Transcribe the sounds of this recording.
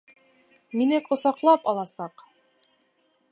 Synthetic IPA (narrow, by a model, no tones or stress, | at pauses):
minɘkŏsɑqlˠɑpɑlˠɑsɑq